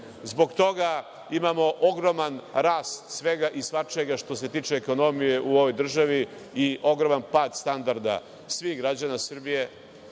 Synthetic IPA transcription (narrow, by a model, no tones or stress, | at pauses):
zbo̞ɡt̪o̞ɡa | imaːmo̞ʔoɡɾomanɾaːst̪sʋe̞ɡaʔisʋat͡ʃeɡaʃt̪o̞se̞t̪iːt͡ʂeːko̞no̞mije̞ʔuoʋo̞jd̪r̩ʒaʋi | iʔo̞ɡɾo̞manpaːd̪st̪and̪aɾd̪a̰ | sʋihɡɾad͡ʑanasr̩bije̞